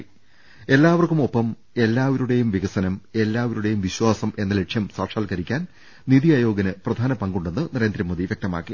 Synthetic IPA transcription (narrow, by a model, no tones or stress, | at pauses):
e̞lːaːʋɐrkumo̞pːɐm | e̞lːaːʋɐɾuɽe̞jumʋiɣɐsɐnɐme̞lːaːʋɐɾuɽe̞jumʋiɕwaːsɐmʔe̞nːɐleʈʂjɐmsaːʂaːlkɐɾikʲːaːn | niðijaːjo̞ːɡɐnɨprɐd̪ʱaːnɐpɐŋɡuɳɖenːɨnɐɾe̞ːnd̪ɾɐmːoːðiʋjek̚t̪ɐma̰ːkːi